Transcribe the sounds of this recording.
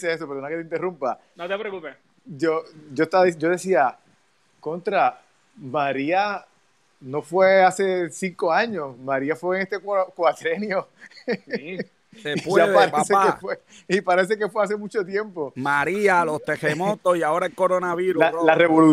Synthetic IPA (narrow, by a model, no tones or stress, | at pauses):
sees̬o̞peɾðonakeint̪e̞rumpa | not̪epɾokupe | d͡ʒod͡ʒoest̪aðid͡ʒo̞ðe̞sia | kont̪ɾa | maɾia | no̞fwease̞siŋko̞aɲo̞smaɾiafweːŋest̪ekwkwat̪ɾenjo̞ | sepwaðaɾesekefwe | ipaɾe̞s̬e̞kefweas̬e̞mũt͡ʃo̞t̪jẽ̞mpo̞maɾialost̪ehemot̪osiaoɾaelkoɾonaβiɾlalareβolu